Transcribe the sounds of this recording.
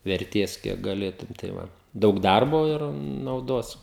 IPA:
ʋʲɛrʲˈtʲeːs ˈkʲiɛk ɡɐˈlʲeːtʊm tɐɪ ˈʋɐ ˈdɐʊk ˈdɐrboː ɪr nɐʊˈdoːs

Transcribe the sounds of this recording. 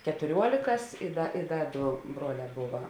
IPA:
kʲɛtʊˈrʲuɔlʲeːkɐs ɪ ˈdɐ ɪ ˈdɐ ˈdoː ˈbruɔˌlʲɛː ˈbʊʋɐ

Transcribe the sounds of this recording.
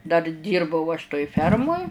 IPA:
dɐr ˈdʲiːrbɐʊ ɐʃ toːj ˈfʲɛrmoːj

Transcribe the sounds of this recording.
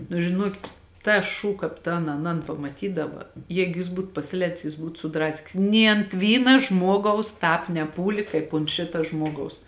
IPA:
nʊ ʒʲɪˈnuɔkʲɪt ˈtɐs ˈʃuː ˈkɑːp tɐn ɐˈnɐn pɐmɐˈtʲiːdɐʋɐ ˈjɛɪɡʊ jɪs ˈbuːt pɐsʲɪˈlʲɛːdʲɪs jɪs ˈbuːt sʊˈdrɑːsʲkʲɪs nʲeː ɐnt ˈʋʲiːnɐ ˈʒmuɔɡɐʊs ˈtɑːp nʲɛˈpuːlʲɪ kɐɪp oːnt ˈʃʲɪtɐ ˈʒmuɔɡɐʊs

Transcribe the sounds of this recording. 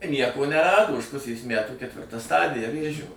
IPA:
ˈnʲiɛkoː nʲɛˈrɑːdoː ʊʃ ˈpʊsʲeːs ˈmʲætuː kʲɛtʲˈʋʲɪrtɐ ˈstɑːdʲɪjɛ ˈʋʲeːʒʲoː

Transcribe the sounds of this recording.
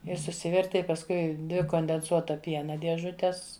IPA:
ɪr sʊˈsʲɪʋʲɛrʲtʲɪ ɪ pɐsˈkʊɪ ˈdʲʋʲɪ koːnʲdʲɛnˈsuɔtɐ ˈpʲiɛnɐ dʲiɛˈʒʊtʲɛs

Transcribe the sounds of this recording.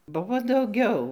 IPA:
ˈbʊʋoː dɐʊˈɡʲɛʊ

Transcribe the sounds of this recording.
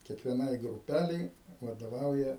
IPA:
kʲiɛkʋʲiɛˈnɐɪ ɡrʊˈpʲælʲɛɪ ʋɐdoːˈʋɐʊjɛ

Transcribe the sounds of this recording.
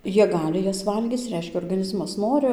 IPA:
ˈjiɛ ˈɡɑːlʲɪ ˈjɛs ˈʋɐlʲɡʲiːt͡s ˈrʲɛɪʃʲkʲɛ oːrɡɐˈnʲɪzmɐs ˈnoːrʲɪ

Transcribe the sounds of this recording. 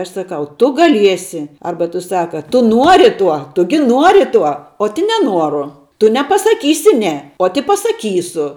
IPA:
ˈɐʃ sɐˈkɐʊ ˈtʊ ɡɐˈlʲiɛsʲɪ ˈɐrbɐ tʊ ˈsɑːkɐ ˈtʊ ˈnuɔrʲɪ ˈtuɔ ˈtʊ ɡʲɪ ˈnuɔrʲɪ ˈtuɔ oːt ɪ nʲɛˈnuɔrʊ ˈtʊ nʲɛpɐsɐˈkʲiːsʲɪ ˈnʲɛ oːt ɪ pɐsɐˈkʲiːsʊ

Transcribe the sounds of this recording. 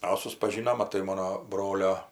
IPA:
ɐ sʊspɐˈʒʲiːnoːm mɐˈtɐɪ ˈmoːnoː ˈbroːlʲoː

